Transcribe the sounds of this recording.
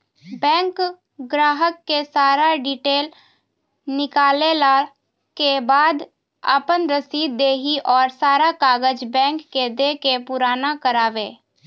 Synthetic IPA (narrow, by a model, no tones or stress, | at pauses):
bɛ̃ːŋk | ɡɾaːɦəkːesaːɾaɖiʈeːl | nɪkaːlela | kebaːd̪ | a̰pənɾəsiːd̪d̪eːɦiʔɔːɾsaːɾakaːɡəd͡ʒbɛ̃ːŋkːed̪eːkepʊɾaːnakəɾaːʋeː